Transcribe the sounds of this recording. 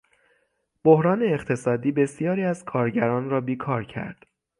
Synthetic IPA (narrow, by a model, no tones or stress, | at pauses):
b̥ohɾɒːneːχt̪ʰe̞sɒːd̪iːbe̞sijɒːɾiːæz̥kʰɒːɾɟæɾɒːnɾɒːbiːkʰɒːɾcʰæ̰ɾd̪̥